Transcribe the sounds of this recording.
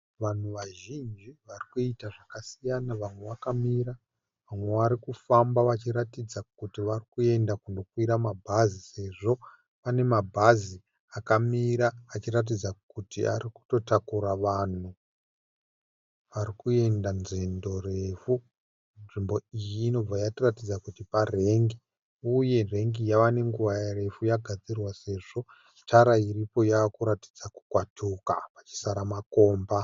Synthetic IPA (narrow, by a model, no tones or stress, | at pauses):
ʋan̤uʋaʒind͡ʒiʋarikuitaʐakasijanaʋamwe̞ʋakamiɾa | ʋamwe̞ʋaɾikufambaʋat͡ʃiɾatid͡zakutiʋarikue̞ndakuno̞kwiɾamabʱazise̞ʐo̞ | pane̞mabʱazi | akamiɾaːt͡ʃirat̬id͡zakutia̰ɾiku̥to̞takuɾaʋan̤u | ʋaɾikue̞ndanzendo̞re̞fu | nʐimbo̞ijiːno̞b͡vajatiratid͡zakutipare̞ŋɡi | uje̞re̞ŋɡijawane̞ŋɡuʋajare̞fujaɡʱad͡zirwase̞ʐo̞ | tʰaɾairipo̞jaːkuɾati̥d͡zaku̥kwatukapat͡ʃi̥saɾamako̞ːmba